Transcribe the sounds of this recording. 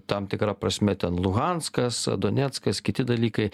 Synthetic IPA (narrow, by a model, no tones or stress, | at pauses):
t̪ɐmt̪ʲɪkɾɐpɾɐsʲmʲɛt̪ʲɛnlˠʊɣɐnskɐsd̪oːnʲɛt̪skɐskʲɪt̪ʲɪd̪ɐlʲiːkɐɪ